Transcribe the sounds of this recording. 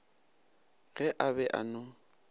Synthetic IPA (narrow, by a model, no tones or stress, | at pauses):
ɣɛʔabɛʔa̰nɔ